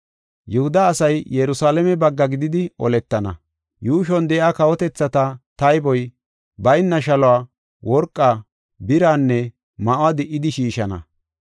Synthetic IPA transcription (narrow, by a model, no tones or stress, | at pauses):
jʊhʊd̪ɐːsɐjjɛɾʊsaːlɛmɛbɐɡːɐɡɪd̪ɪd̪ɪɔ̰lɛt̪ːɐnɐ̰ | juːʃɔnd̪ɛjaːkɐwɔt̪ɛt͡sːɐt̪ɐt̪ɐjbɔj | bɐjnːɐʃɐlɔwaː | wɔɾkʼːaː | bɪɾaːnːɛ | mɐʔʊaːd̪ɪʔːɪd̪ɪʃiːʃɐnɐ̰